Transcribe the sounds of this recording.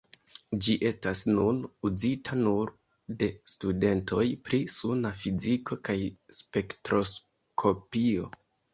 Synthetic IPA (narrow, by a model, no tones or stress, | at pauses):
d͡ʒiʔe̞stasnunuzitʰanuɾ | de̞stude̞nto̞jpɾisunafiziko̞kajspe̞ktɾo̞s | kʰo̞pio̞